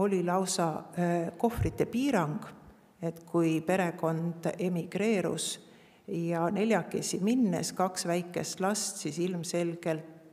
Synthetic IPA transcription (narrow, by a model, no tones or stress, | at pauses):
o̞lʲilɑwsɑko̞frit̪ːˑe̞piːɾɑŋɡ̥ | e̞t̪kujpe̞ɾe̞ko̞nd̪̥e̞miɡ̥ɾe̞ːɾṵs | jɑne̞lʲjɑkːesʲiminːḛskɑksvæjkːˑe̞st̪lɑst̪sisilmse̞lɡ̥e̞lt̪